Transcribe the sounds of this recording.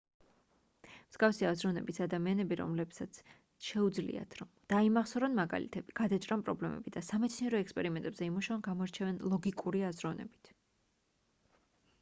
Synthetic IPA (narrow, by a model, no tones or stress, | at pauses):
msɡafsiazɾɔvnɛ̰bisad̪amianɛbiɾɔ̰mlɛbsat̪sʰ | ʃɛud̪zlḭa̰t̪ʰɾɔmd̪̥aimaχsɔɾɔnmaɡa̰lḭt̪ʰɛbiɡ̥ad̪at͡ʃʼɾanpʼɾɔblɛmɛ̰bid̪asamɛt̪sʰniɛɾɔɛkspʼɛɾimɛnt̪ʼɛbzɛimuʃavɔnɡamɔɾt͡ʃʰɛvɛnlˠɔɡikʼuɾiazɾɔvnɛ̰bi̥t̪ʰ